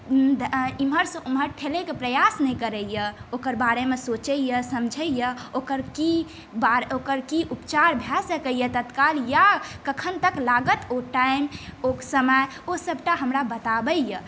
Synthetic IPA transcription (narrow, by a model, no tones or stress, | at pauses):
d̪ʱimɦəɾsə̃ʔumɦəɾʈʰelekepɾəjasnɛjkəɾəjəokəɾbaɾemesot͡ʃəjəsəmd͡ʒʱəjəokəɾki | baɾokəɾkiʔupt͡ʃaɾbʱɛsəkəjət̪ət̪kaljakəkʰənt̪əklaɡət̪oʈaɪmoksəməj | osəbʈaɦəmɾabət̪abəjə